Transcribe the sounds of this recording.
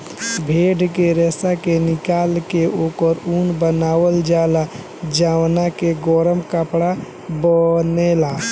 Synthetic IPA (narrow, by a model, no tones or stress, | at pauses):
bʱeɖkeɾɛːsakenɪkaːlkeokəɾunbənaːwəld͡ʒala | d͡ʒawnakeɡɔɾəmkəpɽa | bənela